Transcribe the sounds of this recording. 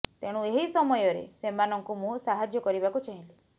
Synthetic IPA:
t̪eɽ̃ũeɦisɔmɔjɔɾḛsemanɔŋkumũsaɦad͡ʒjɔkɔɾibakut͡ʃaɦĩli

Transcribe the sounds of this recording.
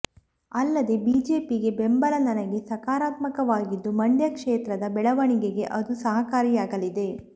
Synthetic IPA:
ɐlːɐd̪e̞biːd͡ʒe̞ːpiɡe̞bembɐlɐnd̪ɐnɐɡe̞sɐkaːɾaːt̪mɐkɐʋaːɡid̪ːumɐɳɖjɐkʂeːt̪ɾɐd̪ɐbɛɭɐʋɐɳiɡeɡe̞ʔɐd̪usɐɦɐkaːɾijaːɡɐlid̪e̞

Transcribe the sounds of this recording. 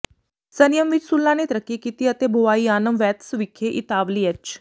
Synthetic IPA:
sənjəmʋɪt͡ʃsʊlːãːnet̪əɾəkːikiːt̪iət̪eːbʱoʋaːiːaːnəmʋɛːt̪sʋɪkʰːeʔɪt̪aːʋliːɐt͡ʃ

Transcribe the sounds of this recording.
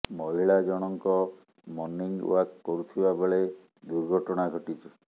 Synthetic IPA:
mɔɦiɭad͡ʒɔɽ̃ɔŋkɔ | mɔnːiŋwakːɔɾut̪ʰibabeɭe | d̪uɾɡʱɔʈɔɽ̃aɡʱɔʈit͡ʃʰi

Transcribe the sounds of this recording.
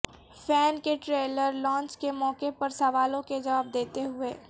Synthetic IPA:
fɛːnkeʈɾeːləɾlɔ̃ːnt͡ʃkemɔːkepɐɾsɐʋaːlõked͡ʒɐʋaːb̚d̪eːt̪eɦʊeː

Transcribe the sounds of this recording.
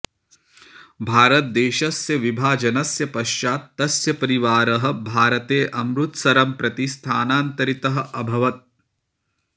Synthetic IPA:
bʱaːɾɐt̪̚d̪eːʃɐsjɐʋibʱaːd͡ʒɐnɐsjɐpɐʃt͡ʃaːt̪ːɐsjɐpɐɾiʋaːɾɐɦɐ̆bʱaːɾɐt̪eːʔɐmɾut̪sɐɾɐmpɾɐt̪ist̪ʰaːnaːnt̪ɐɾit̪ɐɦɐ̆ʔɐbʱɐʋɐt̪̚

